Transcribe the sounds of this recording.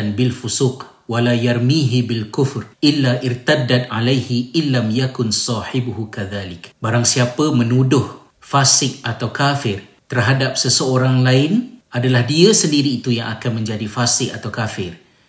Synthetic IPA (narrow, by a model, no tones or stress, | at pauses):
anbɪlfusuq | walajarmiɦibɪlkʊfrʔɪlːaʔɪrt̪adat̪ʕalajhiɪnːamjakʊnsɑːħɪbhukaðaːlɪkbaɾaŋsiapəmə̃nudʊh | fasɪk̚at̪awkafɪr | t̪ərɦadap̚səsəoɾaŋlaɪnʔadalahdiəsəndiɾiːt̪ujaŋakanmə̃ɲd͡ʒadifasɪk̚at̪awkafɪr